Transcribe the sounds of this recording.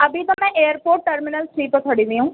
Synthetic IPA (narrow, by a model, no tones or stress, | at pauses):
əbit̪õːmɛ̃ːʔeːəɾpoːɾʈːəɾmɪnəlsʈɾiːpət̪ʰəɽid̪iɦũː